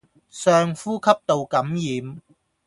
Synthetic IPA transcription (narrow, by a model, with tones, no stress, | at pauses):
sœː˧ŋfuː˥kʰɐ˥p̚t̪o˨wkɐ˨˥mjiː˨˧m